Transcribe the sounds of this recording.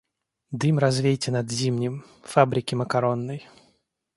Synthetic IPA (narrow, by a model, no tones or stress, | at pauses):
d̪ɨmɾɐzvʲejtʲɪnɐd̪zʲimnʲɪm | fabɾʲɪkʲɪməkaɾonːəj